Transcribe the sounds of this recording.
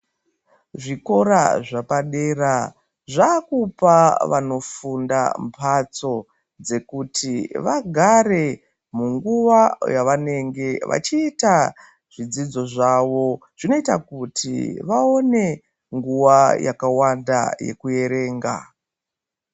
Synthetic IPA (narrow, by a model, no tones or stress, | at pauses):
ʐiko̞ɾa̰ʐapaɗe̞ra | ʐakupaʋano̞funda̰mpʰat͡so̞ | d͡ze̞kutʰiʋaɡʱare̞ | muŋɡuʋajaʋane̞ŋɡe̞ʋʔa̰t͡ʃiːta | ʐ̥id͡zid͡zo̞ʐaʋo̞ʐ̥ino̞itakutʰḭʋao̞ne̞ | ŋɡuʋaja̰kawanda̰je̞̰kuje̞ɾe̞ːŋɡa̰